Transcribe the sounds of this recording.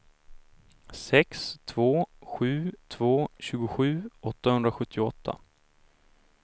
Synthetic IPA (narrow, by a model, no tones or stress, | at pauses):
sɛkst̪ʰvoːɧʉ̟ːt̪ʰvoːɕʉ̟ːɡʊɧʉ̟ːɔt̪ːahɵnd̪ɾaɧɵt̪ʰːɪɔt̪ʰːa̰